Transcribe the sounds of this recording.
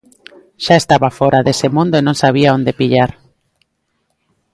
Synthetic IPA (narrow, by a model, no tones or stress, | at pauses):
ʃaest̪aβafɔɾaðesemũnd̪oenõŋsaβ̞iaond̪epiʎaɾ